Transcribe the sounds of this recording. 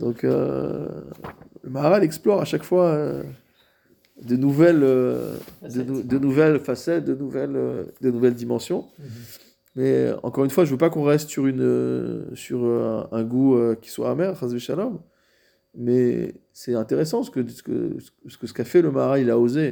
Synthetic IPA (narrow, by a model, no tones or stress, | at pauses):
d̪̥ɔ̃kø̰ | ləmaʁalɛksplɔʁaʃakfwaø | d̪ənuvɛlø | d̪ənud̪ənuvɛlfasɛt̪̚d̪ənuvɛlø̰d̪ənuvɛld̪imɑ̃sjɔ̃ | mɛɑ̰̃kɔʁynfwaʒəvøpakɔ̃ʁɛst̪syʁynø̰syʁø̰ɛ̃ɡuøkʲi̥swa̰ːmɛʁχɛ̃zbeʃalɔm | mɛ | sɛt̪ɛ̃t̪eʁes̬ɑ̃sə̥kəsə̥kə̰s | sə̥kəsə̥kafɛləmaʁailaoze